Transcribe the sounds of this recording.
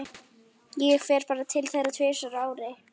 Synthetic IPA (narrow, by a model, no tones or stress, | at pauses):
jɛɣɛxfɛːɾ̥paːɾat̪ʰɪlθejɾat̪ʰvɪːsaɾaːwɾɪ